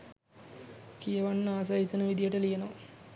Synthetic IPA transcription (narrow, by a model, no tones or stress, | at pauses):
kijeʋanːəaːs̬ajit̪ənəʋid̪ijəʈəlijenoʋa